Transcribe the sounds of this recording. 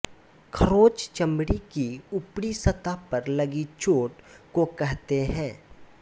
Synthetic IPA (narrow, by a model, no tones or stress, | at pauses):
kʰɐɾoːt͡ʃt͡ʃɐ̃mɽikiʊpɽisɐt̪apɐɾləɡit͡ʃoːʈkokɛɦt̪eɦɛ̃ː